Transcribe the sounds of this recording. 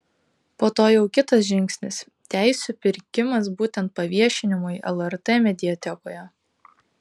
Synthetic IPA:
poːt̪oːjɛʊkʲɪt̪ɐs̬ʒʲɪŋʲksʲnʲɪs | t̪ʲæˑɪsʲupʲɪɾʲkʲɪmɐs̬buːt̪ʲɛnt̪̚pɐʋʲiɛʃʲɪnʲɪmʊɪʔɛ̰lˠɛɾt̪emʲɛd̪ʲɪɛt̪ʲɛkoːjɛ

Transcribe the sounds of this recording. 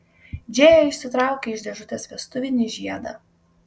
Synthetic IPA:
d͡ʒʲeːjoːɪʃʲsʲɪt̪ɾɑˑʊkʲeːɪʒd̪ʲɛʒʊt̪ʲesʋʲiɛst̪ʊʋʲɪnʲɪʒʲiɛd̪ɐ̰ː

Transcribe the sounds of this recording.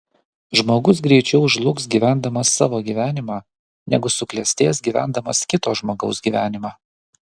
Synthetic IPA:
ʒmoːɡʊs̬ɡɾʲɛɪt͡ʃʲɛʊʒlˠʊksɡʲiːʋʲæːˑnd̪ɐmɐsːɑːʋoːɡʲiːʋʲæːnʲɪmɑː | nʲɛ̰ɡʊsʊklʲɛsʲt̪ʲeːsɡʲiːʋʲæ̰ˑnd̪ɐmɐskʲɪt̪oːʒmoːɡɒʊsɡʲiːʋʲæːnʲɪmɑː

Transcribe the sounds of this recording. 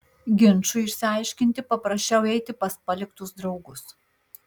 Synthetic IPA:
ɡʲɪnˑt͡ʃʊɪʃʲsʲɪɐɪʃʲkʲɪnʲt̪ʲɪpɐpɾɐʃʲt͡ʃʲɛʊɛɪt̪ʲɪpɐspɐlʲɪkt̪ʊsd̪ɾɒʊɡʊs

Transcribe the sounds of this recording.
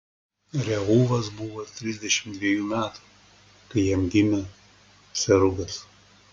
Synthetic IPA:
ɾʲɛɣuːʋɐs̬bʊʋot̪ʲɾʲɪzʲd̪ʲɛʃʲɪmd̪ʲʋʲiɛjuːmʲæːt̪u̥ | kɐɪɛmʲɡ̪ʲɪmʲɛ | sʲɛɾʊɡɐs

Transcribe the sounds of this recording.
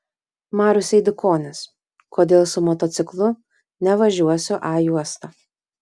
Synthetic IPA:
mɑːɾʲʊsʲɛɪd̪ʲʊkʰoːnʲɪs | koːd̪ʲeːlˠsʊmɔt̪ɔt̪sʲɪklˠʊ | nʲɛʋɐʒʲuɔsʲʊʔɑːjuɔst̪ɐː

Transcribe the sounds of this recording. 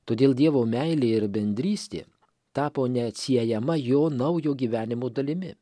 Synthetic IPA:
t̪oːd̪ʲeːlˠdʲiɛʋoːmʲæɪlʲeːɪɾbʲɛnʲd̪ʲɾʲiːsʲt̪ʲḛː | t̪ɑːpoːnʲɛɐt̪ʲsʲiɛjɛmɐjoːnɐʊjoːɡʲiːʋʲæːnʲɪmoːd̪ɐlʲɪmʲɪ

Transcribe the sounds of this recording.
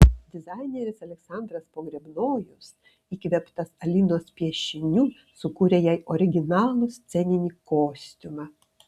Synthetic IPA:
d̪ʲɪzɑɪnʲeɾʲɪsɐlʲɛksɑˑnd̪ɾɐspoːɡɾʲɛbnoːjʊs | iːkʋʲɛpt̪ɐsɐlʲinoːspʲiɛʃʲɪnʲuː | sʊkuːɾʲejɛɪʔɔɾʲɪɡʲɪnɑːlˠʊst̪sʲɛnʲɪnʲiːkoːsʲt̪ʲʊmɑ

